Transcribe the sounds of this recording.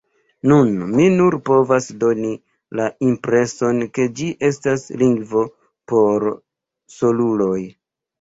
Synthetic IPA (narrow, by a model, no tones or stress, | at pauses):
nunminuɾpo̞vasdo̞ni | laimpɾe̞so̞nke̞d͡ʒiʔe̞stasliŋɡvo̞ | po̞ɾ | so̞lulo̞j